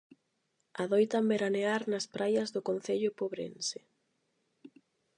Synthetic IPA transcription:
aðojt̪ambeɾaneaɾnɐspɾajɐzðʊkon̟θeʎʊpoβɾḛnsɪ

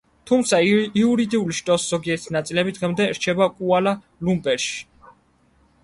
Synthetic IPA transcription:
t̪ʰumt̪sʰaiuɾid̪iuliʃt̪ʼɔsz̥ɔɡiɛɾt̪ʰinat̪sʼilɛbid̪ʁɛmd̪ɛɾt͡ʃʰɛbakʼuala | lumbʼɛɾʃi̥

